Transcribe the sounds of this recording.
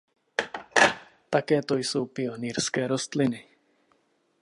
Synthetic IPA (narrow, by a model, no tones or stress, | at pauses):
t̪akɛːt̪ojsowpɪoniːɾskɛːɾost̪lɪnɪ